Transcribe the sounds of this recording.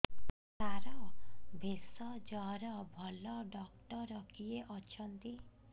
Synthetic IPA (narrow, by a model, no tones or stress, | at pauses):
saɾɔbʱesɔd͡ʒɔɾɔbʱɔlɔɖɔkʈɔɾɔkijeʔɔt͡ʃʰɔnt̪i